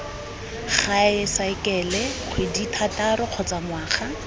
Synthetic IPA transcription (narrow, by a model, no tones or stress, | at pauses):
χaɪsaɪkɛːlɛq͡χʰweditʰataɾɔq͡χʰɔt͡saŋwaːχa